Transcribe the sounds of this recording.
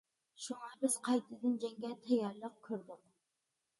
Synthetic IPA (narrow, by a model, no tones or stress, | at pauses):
ʃuŋɑbɪz̥qʰɑjt̪ʰɨd̪ɨnd͡ʒɛŋɡʲɛt̪ʰɛjɑɾlˠəq̚kʲʰøɾd̪ɪq